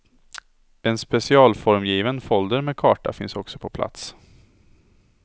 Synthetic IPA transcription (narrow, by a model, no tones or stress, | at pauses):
ɛnspɛsɪɑːlfɔɾmjiːvənfɔld̪əɾmeːkʰɑːʈa̰fɪnsɔksɔ̥pʰɔpʰla̰t̪s